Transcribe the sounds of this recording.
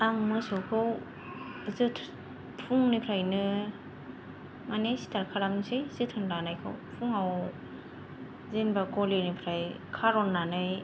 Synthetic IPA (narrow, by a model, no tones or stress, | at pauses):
aŋmɯsowkʰɯw | zɯtʰ | tʰuŋnɯpʰɾajnɯ | manesi̥tʰaɾkʰaɾamsɯjzɯtʰɯŋɾanajkʰɯ̰wpʰuŋaw | zinbakɔlenipʰɾaj | kʰaɾɔnːanɯj